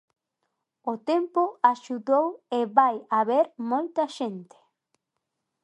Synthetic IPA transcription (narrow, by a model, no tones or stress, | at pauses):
ot̪empoaʃuðoweβajaβeɾmolt̪aʃẽnt̪e̥